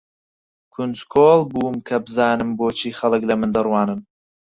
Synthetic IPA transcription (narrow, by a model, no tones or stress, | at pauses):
kʰunzkʰoːlbuːmkʰɐbɨzɑːnɨmboːt͡ʃʰiːxɐlɨklɐmɨnd̪ɐrwɑːnɨn